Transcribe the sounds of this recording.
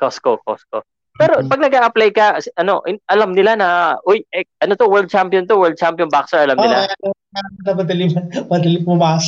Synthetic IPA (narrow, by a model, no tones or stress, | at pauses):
koskokosko | pɛːɾopɐɡ̚nɐɡaːʔɐplajkɐsʔɐno̞ʔɪʔɐlɐmnɪlanɐʔojʔɛʔɐno̞t̪o̞wɛɹld̪̚t͡ʃampiont̪owɛɹd̪̚t͡ʃampjonbaksɛɹɐlɐmɪla̰ɐnɐ | anɐmɐd̪ɐlɪɐmɐd̪ɐlɪpʊmaːs